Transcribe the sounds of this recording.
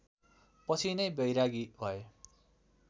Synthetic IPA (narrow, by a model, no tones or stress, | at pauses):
pʌt͡sʰinʌjbjʌjɾaɡibʱʌe